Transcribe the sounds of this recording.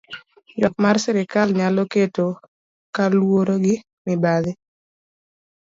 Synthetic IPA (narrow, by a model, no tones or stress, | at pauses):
jɔkmarsɛɾɪkalɲaloketo | kalwoɾoɡɪ | mɪbaðɪ